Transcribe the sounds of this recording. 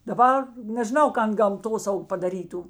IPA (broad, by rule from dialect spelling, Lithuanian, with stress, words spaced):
dɐˈbɐr nʲɛʒʲɪˈnɐʊ ˈkɐn ɡɐmˈtoːsɐʊk pɐdɐˈrʲiːtʊ